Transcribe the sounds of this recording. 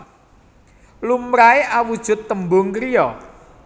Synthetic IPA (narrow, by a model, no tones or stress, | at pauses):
lumɾaeʔawud̥ʒ̥ʊ̤t̪ːəmbʊŋkəɾijɔ